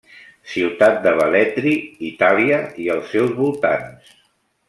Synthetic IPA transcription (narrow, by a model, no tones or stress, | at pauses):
siwt̪at̪̚d̪əβəlɛt̪ɾiit̪aliəiəlˠsːɛwzβulˠt̪a̰ns